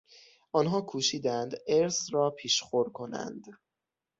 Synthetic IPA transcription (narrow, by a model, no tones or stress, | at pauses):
ʔɒːnɦɒːkʰuːʃiːd̪ænd̪eɾsrɒːpʰiːʃχoɾ̚kʰo̞næ̰nd̪